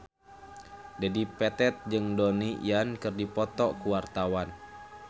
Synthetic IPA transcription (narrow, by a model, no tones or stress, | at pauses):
d͡ʒadipɛt̪ɛt̪̚d͡ʒɨŋdonijankɨrdipɔt̪ɔkuwart̪awan